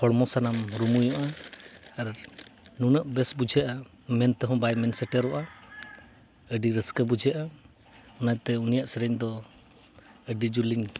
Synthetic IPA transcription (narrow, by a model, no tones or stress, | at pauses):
hʰɔɽmɔsanamɾumujɔ̃ʔa | aɾnunəʔbɛsbud͡ʒʱɛʔa | mɛnt̪ɛɦɔ̃bajmɛnsɛʈɛɾɔʔa | əɖiɾəskəbud͡ʒʱɛʔa | ɔnajt̪ɛunijaʔsɛɾɛɲd̪ɔ | əɖid͡ʒuliŋ